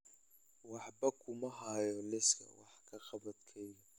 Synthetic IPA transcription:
wɑħbɐkʰʊmɐɦajɔlɛskʰɐ̰wɑ̰ħkʰɐqɐbɐd̪kʰɛjɔ

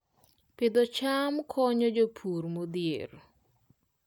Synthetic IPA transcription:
pɪd̪ɔt͡ʃamkʰɔɲɔd͡ʒopʰuɾmod̪jḛɾ

